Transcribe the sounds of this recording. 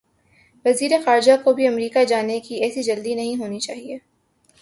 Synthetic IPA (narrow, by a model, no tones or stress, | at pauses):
ʋɐziːɾexaːɾd͡ʒakobʱiɐmɾiːkad͡ʒaːnekiɛːsid͡ʒɐld̪inɐɦĩɦoːnit͡ʃaːɦieː